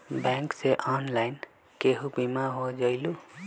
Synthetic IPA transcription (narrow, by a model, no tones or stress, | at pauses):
baŋkseʔanlajn | keɦubimaɦod͡ʒʌjlu